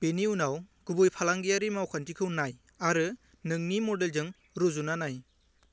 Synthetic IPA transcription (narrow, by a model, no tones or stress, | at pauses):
b̥eniunawɡ̥ubujpʰalaŋɡijaɾimawkʰantikʰɯwnaj | aɾɯ | nɯŋnimɔdelzɯŋ | ɾuzunanaj